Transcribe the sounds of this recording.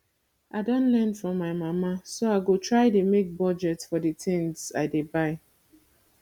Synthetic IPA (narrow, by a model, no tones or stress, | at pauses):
ʔaɪdõntlɛnfɹɔ̃mːaɪmamasoaɪɡotʰɹaɪdemek̚bɔd͡ʒɛtfɔdətʰɛ̃nsa̰ɪdebaɪ